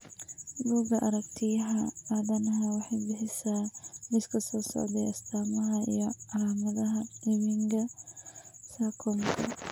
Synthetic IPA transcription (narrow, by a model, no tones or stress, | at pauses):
buːɡɐʔɐɾɐk̚t̪ʰɪjɐɦɐaːðɐnɐɦɐwɑħɑjbɪħɪsamɪskʰɐsɔːsɔ̰ʕd̪ɛjɐst̪ʰaːmɐɦɐḭjɔʔɐlaːmɐðɐɦɐɪmiŋɡɐ | saːkʰɔŋkʰɐ̰